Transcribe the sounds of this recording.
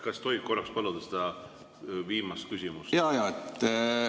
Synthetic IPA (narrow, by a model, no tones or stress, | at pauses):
kɑst̪o̞jɡ̥̚ko̞rːɑkspɑlud̪̥ɑsed̪ɑ | viːmɑst̪̚kysʲimusjɑjɑːet̪ː